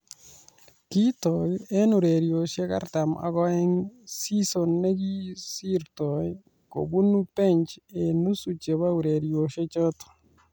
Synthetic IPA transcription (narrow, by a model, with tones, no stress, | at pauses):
ki˦tɔ˨e˦nu˨ɾe˨ɾjo˨ʃe˦ka̰˦ɾta˨mʔa̰˨ɡɔ˦ɪ˦ŋsi˦so˨nːe˦ɡi˦si˦ɾtɔ˨j | ko̰˨bu˦nu˦pe˦ɲt͡ʃe˨nu˦su˨t͡ʃe˨βa˦u˨ɾe˨ɾjo˨ʃe˦t͡ʃɔ˦tɔ̥˨